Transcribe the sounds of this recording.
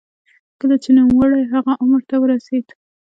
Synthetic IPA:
kəlat͡ʃenumwaɽajɦaɣaʔʊmɾt̪awəɾased̪

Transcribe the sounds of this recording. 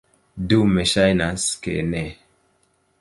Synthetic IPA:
dumeʃajnaskḛnɛ

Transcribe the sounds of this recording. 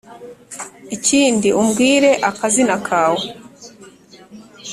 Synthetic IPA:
iciːndiʔumɡiːɾe̞ʔakazinakʰaːwo

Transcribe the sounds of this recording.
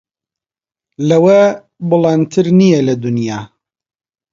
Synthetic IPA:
lɐwɐ | bɨlˠɑnt̪ʰɨɾnijɛlɐd̪unjaː

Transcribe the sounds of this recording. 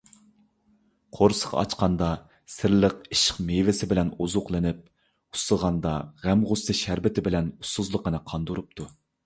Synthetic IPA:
qʰoɾsə̥ʁɑ̰ɑ̰t͡ʃqɑnd̪ɑ | sɪɾləqiʃɪ̥qmejvɪsɪbɪlɛnozʊqlˠɨnɪp̚ | u̥səʁɑnd̪ɑʁæmʁʊsɨʃæɾbɪt̪ʰɪbɪlɛnusːuzlˠəqənɨqʰɑnd̪uɾup̚t̪ʰu

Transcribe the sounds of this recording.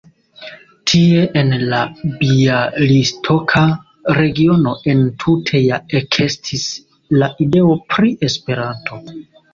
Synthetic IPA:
tʰie̞ʔenlabialistʰo̞kʰa | ɾe̞ɡio̞no̞ʔe̞ntʰutʰe̞jaekʰe̞stʰis | laʔide̞o̞pɾiʔe̞spe̞ɾanto̞

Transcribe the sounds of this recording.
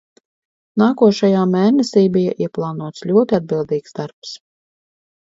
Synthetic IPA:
naːkuɔʃajaːmɛːnɛsiːbija̰ʔiɛplˠɑːnuɔt̪slʲuɔt̪iad̪̚bilˠd̪iːksd̪aɾps

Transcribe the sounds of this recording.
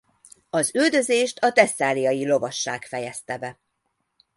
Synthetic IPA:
ɒzyld̪ø̞zeːʃt̪ʰɒt̪ɛsːaːlijɒjilo̞vɒʃːaːkfɛjɛst̪ɛbɛ

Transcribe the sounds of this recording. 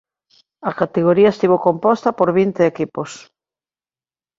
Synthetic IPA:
ɐkat̪eɣ̞oɾiɐest̪iβokompɔst̪ɐpoɾβint̪eekipos

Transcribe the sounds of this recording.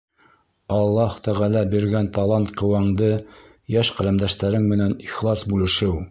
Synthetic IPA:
ɑlˠːɑhʊt̪æʁælæbiɾɡænt̪ɑlˠɑnt̪qɤ̆wɑɴd̪ɤ | jæʃqælæmd̪æʃt̪æɾɘŋmɘ̆næniχlˠɑsbulɘ̆ʃɘ

